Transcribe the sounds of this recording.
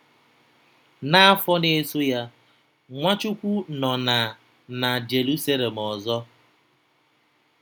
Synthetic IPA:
na˦a˦fɔ˦ne˦so˦ja˦ | ŋʷa˦t͡ʃu˦kʷu˦nɔ˨na˨ | na˨d͡ʒe˨ɾu˦sa˦le˨m̩˨ɔ˨zɔ˦

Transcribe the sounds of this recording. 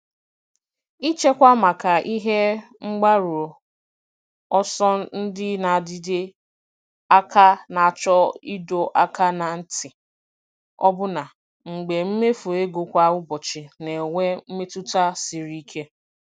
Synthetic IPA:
i˦t͡ʃe˦kʷa˦ma˨ka˨ʔi˦ɦe˦ | ŋ͡m̩˦ɡ͡ba˦ɾu˨o˨ | ɔ˦sɔ˦n̩˦dɪ˦na˨dɪ˦dɪ˦ | a˦ka˦na˨t͡ʃɔ˦i˦do˨ʔa˦ka˦na˨n̩˦tɪ˨ | ɔ̰˦bʊ˦na˨ | ŋ͡m̩˨ɡ͡be˨m̩˦me˦fu˨e˦ɡo˨kʷa˦ʊ˦bɔ˨t͡ʃɪ˨ne˨ŋʷe˦m̩˦me˦tu˦ta˦si˨ɾi˦kʰe˦

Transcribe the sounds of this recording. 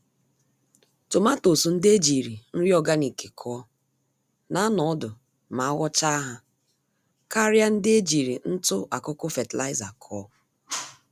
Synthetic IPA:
tʊ˨ma˦to˨su˨n̩˦de˦d͡ʒi˨ɾi˨n̩˦ɾjɔ˦ɡa˦ni˨ke˨kʰɔː˦ | na˦nɔ˨ɔ˦dʊ˨ | ma˨a˦ɣɔ˦t͡ʃa˦a˦ɦa˦ | ka˦ɾja˦n̩˦dɪ˦e˦d͡ʒi˨ɾi˨n̩˦tʊ˦ʔa˨kʊ˦kʊ˦fe˨tla̰˦ɪ˦za˨kʰɔː˦

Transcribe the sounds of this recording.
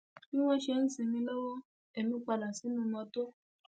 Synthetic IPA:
kĩ˦w̃ɔ̃˦ʃe˧n̩˦sĩ˧mĩ˧lo˦wɔ˦ | e˨mĩ˨˧k͡pa˧la˨si˨˦nũ˦mɔ̃˧to˦

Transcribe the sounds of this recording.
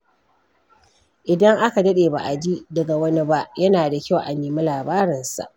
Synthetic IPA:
ʔɪ˨dɐ˦ŋʔa˦ka˨dɐ˦ɗeː˨ba̰˨ʔa˨d͡ʒi˦dɐ˨ɡa˨wɐ˦ni˦ba˦ʔjɐ˦naː˨da˨kʲa˦˨wʔa˨neː˨mi˦laː˨baː˦ɾɪ˨nsa̰˨ʔ

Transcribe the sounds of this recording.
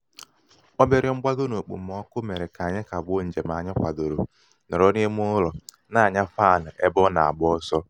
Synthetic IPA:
ɔ˦be˨ɾɪ˨ŋ͡m̩˦ɡ͡ba˦do˦no˨k͡pṵ˨m̩˨ɔ˦kʊ˦me˨ɾe˨ka˨ɲɪ˦ka˨bʊ˦n̩˨d͡ʒe˨m˨a˨ɲɪ˦kʷa˨do˨ɾo˨ | nɔ˨ɾɔ˦n˦e˦m˦ʊ˦lɔ˨ | na˦˨a˨ɲa˦faː˦˨nʊ˨ʔe˦bɔ˦na˨a˨bʊ˦ɔ˦sɔ˦

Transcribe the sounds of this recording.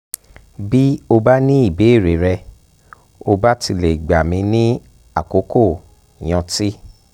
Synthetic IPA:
bi˦o˧ba˦nĩ˦i˦˨be˨˦˨ɾe˨˦ɾɛ˧ | o˧ba˦ti˧le˨ɡ͡ba˨mĩ˧nĩ˦ | a˦˨ko˨˦ko˦˨ | j̃ɔ̃˧ti˦

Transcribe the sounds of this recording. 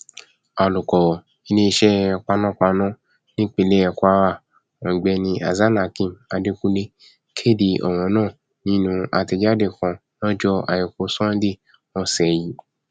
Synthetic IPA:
a˨lu˨kɔ˨ | i˧nĩ˦˧ʃɛ˦˧k͡pa˧nɔ̃˦˨k͡pa˧nɔ̃˦ | nĩ˦k͡pe˨˧le˦ɛ˧kʷa˧wa˦˨ | ɔ̃˨ɡ͡bɛ˧nĩ˧a̰˨za˦na˨kĩ˦˨ma˧de˧ku˦le˧ | kʰe˦˨di˧ɔ̰˨w̃ɔ̃˨˦nãː˦˨ | nĩ˦nũ˧a̰˧ti˧d͡ʒa˦de˦˨kɔ̃˧ | nɔ̃˦d͡ʒɔ˦a̰˨ji˨ko˧˦sɔ̃˦n˦di˦˨ | mɔ̃˧˦˨sɛ˨ji˨˦

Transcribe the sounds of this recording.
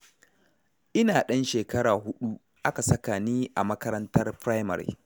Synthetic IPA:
ʔɪ˦naː˨ɗɐ˦nʃeː˨kɐ˦ɽaː˨ɦʊ˦ɗu˦ | ʔa˦ka˨sɐ˦kaː˨niː˦ʔa˨mɐ˦kɐ˦ɾɐ˦ntɐ˦rpɾaː˦jmɐ̰˨ɾḭ˨

